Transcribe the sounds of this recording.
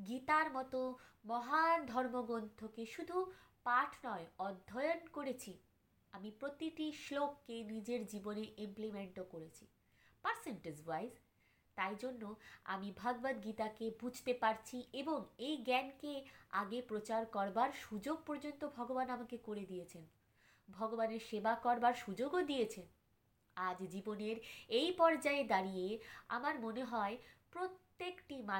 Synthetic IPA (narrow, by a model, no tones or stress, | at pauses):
ɡit̪aɾmɔt̪omɔɦad̪ʱɔɾmoɡont̪ʰokeʃud̪ʱu | paʈʰnɔeɔd̪ʱːɔjonkoɾet͡ɕʰi | amipɾot̪iʈiʃlokːenid͡ʑeɾd͡ʑiboneʔimplimeɳʈokoɾet͡ɕʰi | paɾseɳʈezwajz | t̪ajd͡ʑonːoa̰mibʱaɡbad̪ɡit̪akebud͡ʑʱt̪epaɾt͡ɕʰiʔeboŋejɡɛnkeaɡepɾot͡ɕaɾkɔɾbaɾʃud͡ʑoɡ̚pɔɾd͡ʑont̪obʱɔɡobanamakekoɾed̪ijet͡ɕʰen | bʱɔɡobaneɾʃebakɔɾbaɾʃud͡ʑoɡod̪ijet͡ɕʰen | ad͡ʑd͡ʑiboneɾejpɔɾd͡ʑaed̪aɾijea̰maɾmoneɦɔepɾot̪ːekʈima